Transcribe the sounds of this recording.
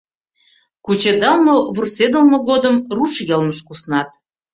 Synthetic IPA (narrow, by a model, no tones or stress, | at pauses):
kut͡ɕed̪ɑlˠmoβursed̪ə̆lmŏɣod̪əmruʃjɤlməʃkusnɑt̪̚